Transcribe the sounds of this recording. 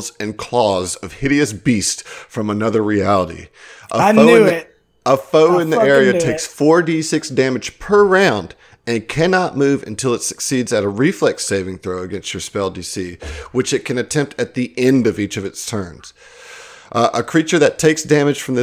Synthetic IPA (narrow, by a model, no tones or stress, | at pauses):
zɨ̃nkʰl̥ɔzʌv̥hɪɾiɨsb̥istfɹʌ̃mənʌðə˞ɹiælˠəɾḭʔəoʊ | əfoʊɨ̃nðiɛɹiɨtʰeɪksfɔɹdisɪksd̥æmɨd̥ʒ̥pʰə˞ɹãʊ̃nd | ɨ̃nkʰænɑt̚mʉvɨ̰̃ntʰɪlˠətsɨ̥ksidzɨɾəɹiflɛkseɪvɪ̃ŋθɹoʊɨɡɛ̃nstə˞spɛlˠdisiwɨt͡ʃɨt̚kʰɨ̃nɨtʰɛ̃mp̚tɨt̪̚ðiʔɛ̃ndʌvit͡ʃʌvɨtstʰɜ̃˞nz̥ | ʔʔəkʰɹ̥it͡ʃə˞ðɨtʰeɪksd̥æmɨd̥ʒ̥fɹʌ̃mðɪ